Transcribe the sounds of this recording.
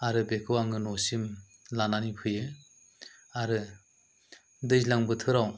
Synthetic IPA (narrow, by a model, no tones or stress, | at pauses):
aɾɯbekʰɯwaŋɯnɔsim | lananipʰɯjɯ | aɾɯ | dɯjslaŋbɯtʰɯɾaw